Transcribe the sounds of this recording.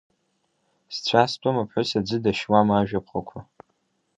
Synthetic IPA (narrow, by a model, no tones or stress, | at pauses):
st͡ɕʷʰast͡pʷʼamapʰħʷʊsad͡zɨdaʃwamaʒᶣapʰχakʷʰa